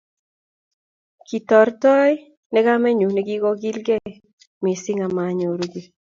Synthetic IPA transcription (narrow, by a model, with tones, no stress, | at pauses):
ki˨tɔ˨ɾtɔ˦j | nɛ˦ɡa˦mɛ˦ɲu˨nɛ˦ɡɪ˦ɡɔ˦ɡi˦lɡɛ˦ | mi˨sɪ˦ŋa˨ma˨ɲo˨ɾɡi˨